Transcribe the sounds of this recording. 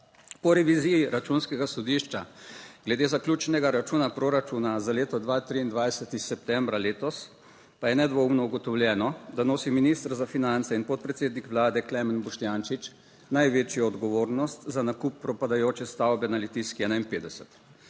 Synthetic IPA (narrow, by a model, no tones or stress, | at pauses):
pɔɾɛʋizijiɾat͡ʃunskɛɡasɔd̪iʃt͡ʃaɡ̥lɛd̪eːzakljuːt͡ʃnɛɡaɾat͡ʃuːnapɾoɾat͡ʃunazaleːt̪ɔd̪ʋaːt̪ɾiind̪ʋajsət̪isɛp̚t̪ɛmbɾaleːt̪ɔs | pajɛnɛd̪ʋomnɔuɡɔt̪ɔwljɛːnɔd̪anoːsiminist̪ɾzafinant̪sɛinpɔt̪̚pɾɛt̪seːd̪nikʋlaːd̪ɛklɛmənbɔʃt̪jant͡ʃit͡ʃ | najʋeːt͡ʃjɔɔd̪ɡɔʋoːɾnɔst̪zanakupːɾɔpad̪ajoːt͡ʃɛst̪awbɛnalit̪iskiɛːnainpeːd̪ɛsət̪